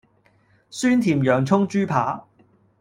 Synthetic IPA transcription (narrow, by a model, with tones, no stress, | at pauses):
syː˥nt̪ʰiː˨˩mjœː˨˩ŋt͡sʰʊ˥ŋt͡ʃyː˥pʰa̰ː˨˥